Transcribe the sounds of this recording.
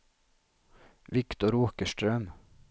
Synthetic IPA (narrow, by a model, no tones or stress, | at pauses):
ʋɪkt̪ʊɾuːkəʃtɾœm